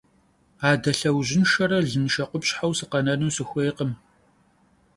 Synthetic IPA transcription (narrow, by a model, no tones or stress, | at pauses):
aːdɐɬɐwʑɪnʃɐɾɐɮɨnʃɐqʷʊpɕħawsɨqɐnɐnuːsɨxʷejqəm